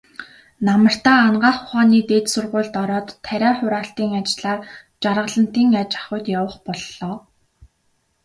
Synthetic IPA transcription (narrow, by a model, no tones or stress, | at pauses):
namə̆r̥t̪aːnɢaːχʊχaːniːt̪eːt̪sʊrʁʊːɮt̪ɔɾɔːt̪ʰːæɾʲæːχʊɾaːɬt̪iːŋat͡ɕɮaː | t͡ɕarʁə̆ɮə̆n̥t̪iːŋat͡ɕḁχʊjt̪jawə̆χpɔɮːɔː